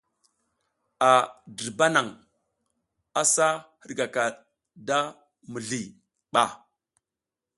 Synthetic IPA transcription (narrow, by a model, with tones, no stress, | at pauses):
a˨də˨ɾba˦na˨ŋ | a˦sa˦hə˦ɾɡa˨ka˨ | da˦ | mə˨ɮi˨ | ɓa˨